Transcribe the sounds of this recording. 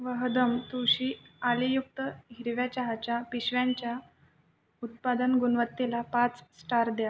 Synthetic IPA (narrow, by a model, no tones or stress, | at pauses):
ʋəɦd̪əmt̪uɕiːalijuk̚t̪əɦiɾʋjat͡ɕaɦat͡ɕjapiɕʋjaɲt͡ɕja | ut̪̚pad̪ənɡunʋət̪ːelapat͡ssʈaɾd̪ja